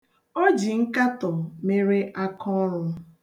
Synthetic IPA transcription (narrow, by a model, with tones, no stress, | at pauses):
ɔ˦d͡ʒi˨ŋ̩˦ka˦tɔ˨me˦ɾe˦ʔa˦kɔ˦ɾʊ˦